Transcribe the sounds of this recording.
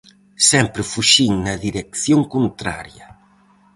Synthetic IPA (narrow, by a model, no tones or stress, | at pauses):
sɛmpɾɪfuʃiŋnɐðiɾekθjoŋkont̪ɾa̰ɾjɐ